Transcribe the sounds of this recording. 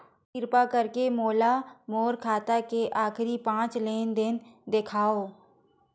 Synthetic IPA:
kɪɾpakəɾkemoːlamoːɾkʰaːt̪akeʔaːkɾipãːt͡ʃleːnd̪ɪnd̪ekʰaːoː

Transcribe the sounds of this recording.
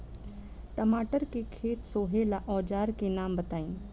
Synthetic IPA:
ʈɐmaːʈəɾkekʰeːt̪soːɦelaʔɔːd͡ʒaːɾkenaːmbɐt̪aːĩː

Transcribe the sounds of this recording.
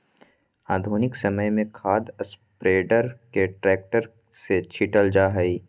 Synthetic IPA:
aːd̪ʱuːnɪksɐməjmẽkʰaːd̪əs | pɾeːɖəɾkeʈɾɛːk̚ʈəɾ | set͡ʃʰiʈəld͡ʒaːɦɐi

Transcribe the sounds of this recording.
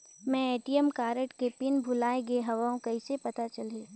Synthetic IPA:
mɛ̃eːʈiəmkaːɾəʈkepɪnbʱʊlaːeɡeɦɐʋaːõkɐisepɐt̪at͡ʃɐleː

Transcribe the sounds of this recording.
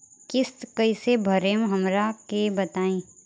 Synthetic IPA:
kɪst̪kɐisebʱɐɾeːmɦɐmɾakebɐt̪aːĩː

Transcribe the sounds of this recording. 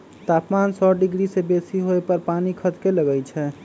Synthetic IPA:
t̪apmansɔɖiɡɾisebesiɦoepəɾpanikʰət̪keləɡɛjt͡ʃʰɛ

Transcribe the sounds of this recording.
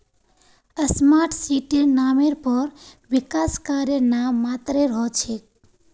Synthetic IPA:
əsmaɾʈʰsiʈenameɾpəɾʋikaskaɾjenamːat̪ɾeɾʌɦt͡ʃʰek̚

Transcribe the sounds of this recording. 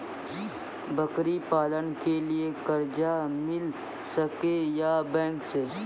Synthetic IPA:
bɐkɾipaːlənkeliekɐɾd͡ʒamɪl | sɐkejabɛ̃ːŋkseː

